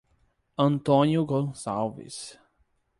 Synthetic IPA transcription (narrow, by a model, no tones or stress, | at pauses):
ɐ̃nt̪õnjʊɡõsa̰wvḭs